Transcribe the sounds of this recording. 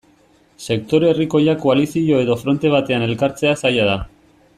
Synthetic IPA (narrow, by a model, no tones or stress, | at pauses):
se̞kt̪o̞ɾeeriko̞jako̞alisiʝo̞e̞ðo̞fɾo̞nt̪e̞β̞at̪e̞ane̞lkaɾt͡se̞asajaða